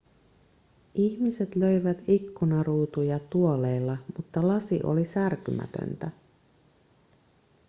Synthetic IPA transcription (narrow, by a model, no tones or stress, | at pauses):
ʔiçmise̞t̪lø̞jʋæt̪ikːunɑruːt̪ujɑt̪uo̞le̞ːlːɑmut̪ːɑlɑsiʔo̞̰lisærkymæ̰t̪ø̰nt̪æ